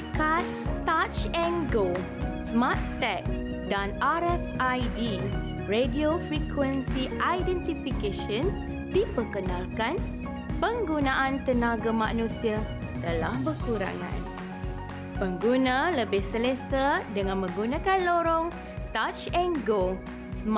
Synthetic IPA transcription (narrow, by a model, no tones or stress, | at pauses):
kat̪ː | at͡ʃɛŋɡo | smat̪ːɛk̚ | danaɾɛfajdi | rediofɾikʰwɛnsiʔajdɛ̃nt̪ifikeʃən | dipəkənalkan | pəŋɡunãʔãnt̪ənãɡamãnũsia | t̪əlahbəkuɾa̰ŋã̰n | pəŋɡunãləbɪhsələsadəŋãnmə̃ŋɡunãkanloɾɔŋ | t̪at͡ʃɛŋɡo | sm